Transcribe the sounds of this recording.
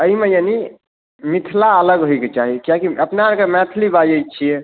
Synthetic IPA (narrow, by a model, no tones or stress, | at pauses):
əimejani | mit̪ʰlaələɡɦojket͡ʃaɦikijakiəpnaakemɛt̪ʰlibad͡ʒəjt͡ʃʰie